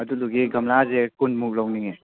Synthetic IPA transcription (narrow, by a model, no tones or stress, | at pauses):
ɐduluɡiɡɐmlazekunmuk̚lawniŋe